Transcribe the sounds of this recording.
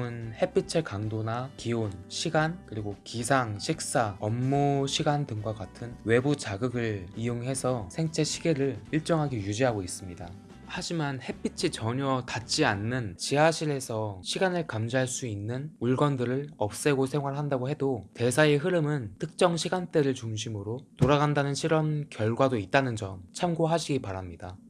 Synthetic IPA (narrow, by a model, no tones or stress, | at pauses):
ɯnhe̞p͈it͡ɕʰekaŋdonakionɕʰiɡankɯɾiɡokisʰaŋɕʰik̚s͈aʌmːuɕʰiɡandɯŋɡwaɡatʰɯnwe̞but͡ɕaɡɯɡɯɭijoŋɦe̞sʰʌsʰe̞ŋt͡ɕʰe̞ɕʰi̥ɡe̞ɾɯɭiɭt͡ɕ͈ʌŋɦaɡejud͡ʑiɦaɡois͈ɯmɲida | had͡ʑimanhe̞p͈it͡ɕʰit͡ɕʌɲʌtat͡ɕ͈ianːɯnt͡ɕiaɕʰiɾe̞sʰʌɕʰiɡanɯɭkamd͡ʑiɦaɭs͈uinːɯnuɭɡʌndɯɾɯɭʌp̚s͈e̞ɡosʰe̞ŋɦwaɭɦandaɡoɦe̞dote̞sʰae̞ɦɯɾɯmɯntʰɯk̚t͡ɕ͈ʌŋɕʰiɡant͈eɾɯɭt͡ɕuŋɕʰimɯɾotoɾaɡandanɯnɕʰiɾʌmkjʌɭɡwadoit̚t͈anɯnd͡ʑʌmt͡ɕʰamɡoɦaɕʰiɡipaɾamɲida